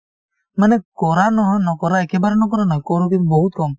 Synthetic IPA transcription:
manekɔɾanɔɦnɔkɔɾaekebaɾenɔk̬ɔɾanɔkɔɾukibɔɦut̪kɔm

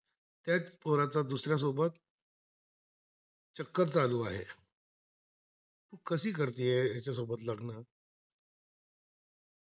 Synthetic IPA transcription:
t̪jat͡spoɾat͡sad̪usɾjas̬obət̪ | t͡ɕəkːəɾt͡saluːa̰ɦḛ | t̪ũːkəsiːkəɾt̪iːjejat͡ɕjasobət̪laɡna

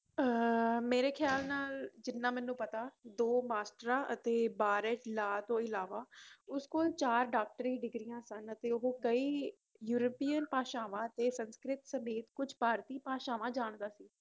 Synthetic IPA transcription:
əmeːɾeːkʰjaːlnaːld͡ʒɪnːãːmɛ̃ːnːũːpət̪aːd̪oːmaːsʈɾãːʔət̪eːbaːɾɛːʈlaːt̪õːɪlaːʋaːʊskoːlt͡ʃaːɾɖaːk̚ʈəɾiːɖɪɡɾijãːsənət̪eːoɦõkəiː | juːɾəpiːənpaːʃaːʋãːət̪eːsənskɾɪt̪səmeːt̪kʊd͡ʒʱpaːɾt̪iːpaːʃaːʋãːd͡ʒaːɳd̪aːsiː

